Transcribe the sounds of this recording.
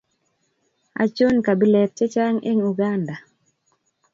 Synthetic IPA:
a̰˨t͡ʃo˦nka˨bi˦lɛ˨t̚t͡ʃe˦t͡ʃa˦ŋḛ˦ŋu˨ɡa˦nda˨

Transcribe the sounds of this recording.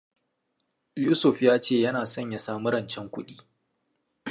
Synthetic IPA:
juː˦sʊ˨ɸjaː˦t͡ʃeː˦˨jɐ˦naː˨sɐ˦ɲja˨saː˨mu˦ɾɐ˦˨nt͡ʃɛ˦ŋkʷʊ˦ɗiː˦

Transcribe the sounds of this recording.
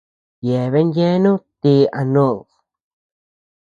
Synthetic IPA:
je˨βe˦nje˦nũ˦t̪i˧a˧no˦˧˨l

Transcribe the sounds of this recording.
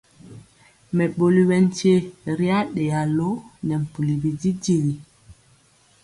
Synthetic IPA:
mɛ˨ɓo˨li˦wɛ˨n˦te˦ɾi˦a˦ɗɛ˨a˨lo˦nɛ˨m̩˨pu˨li˨bi˨di˦di˦˨li˨

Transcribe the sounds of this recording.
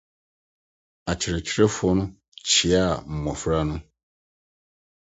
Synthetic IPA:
a˨t͡ɕʰɪ˨ɾɛ˨t͡ɕʰi˦ɾe˦fʊ˦ɔ˦nʊ̃˦ | t͡ɕʰi˨a˦˨m̩˨mɔ̃˨fɾa˦nʊ̃˦

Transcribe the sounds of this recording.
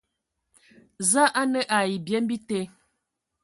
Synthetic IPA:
za˦ʔa˦nə˦ʔa˨ji˨bjɛ˦m˦bi˦te˦

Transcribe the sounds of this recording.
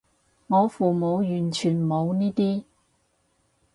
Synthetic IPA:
ŋɔː˨˧fuː˨˩mo˨˧wjyː˨˩nt͡ʃʰyː˨˩nmo˨˧wniː˥t̪iː˥

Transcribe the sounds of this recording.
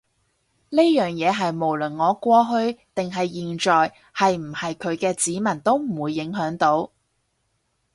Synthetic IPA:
ne˥jœː˨˩ŋjɛː˨˧ɦɐ˨jmo˨˩wlɵ˨˩nŋɔː˨˧kʷɔː˧ɦɵ˧ɥt̪ɪ˨ŋɦɐ˨jːiː˨nt͡ʃɔː˨j | hɐ˨jm̩˨˩hɐ˨jkʰɵ˨˧ɥkɛː˧t͡siː˨˥mɐ˨˩nt̪o˥wm̩˨˩wuː˨˧jːɪ˨˥ŋɦœː˨˥ŋt̪o˨˥w

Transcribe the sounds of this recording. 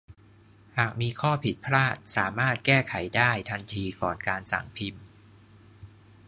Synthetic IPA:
haː˨˩k̚miː˧kʰɔː˥˩pʰi˨˩t̪̚pʰɾaː˥˩t̪̚saː˩˦maː˥˩t̪̚kɛː˥˩kʰa˩˦jdaː˥˩jt̪ʰa˧nt̪ʰiː˧kɔː˨˩nkaː˧nsa̰˨˩ŋpʰi˧m

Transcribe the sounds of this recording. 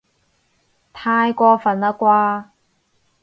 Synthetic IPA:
t̪ʰaː˧jkʷɔː˧fɐ˨˩naː˧kʷaː˧

